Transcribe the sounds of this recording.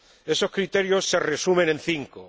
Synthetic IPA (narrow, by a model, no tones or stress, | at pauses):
eso̞skɾit̪eɾjosːeresumẽ̞nẽ̞nθiŋko